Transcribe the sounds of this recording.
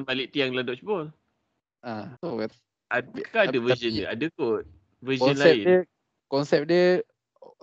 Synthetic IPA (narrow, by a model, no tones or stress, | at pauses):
nbaliʔt̪iaŋladɔʔsbɔl | ao | akaadəvəzənəadəkot̪̚ | vəzənlaɪdə | kɔnsɛp̚diə